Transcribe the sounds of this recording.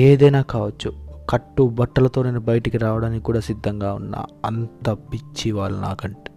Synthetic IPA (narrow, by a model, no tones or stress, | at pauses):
eːd̪ɐjnaːkaːʋɐt͡ʃːukɐʈːubɐʈːɐlɐt̪o̞ːneːnubɐjɐʈikiɾaːʋɐɽaːnikikːuːɽaːsid̪ʱːɐŋɡaːṵnːa̰ːɐnt̪ɐpːit͡ʃːiʋaːɭːuna̰ːkɐɳʈi̥